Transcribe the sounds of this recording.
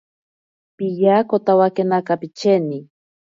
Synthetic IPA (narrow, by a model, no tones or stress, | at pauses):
pijakot̪awakenakapit͡ʃeni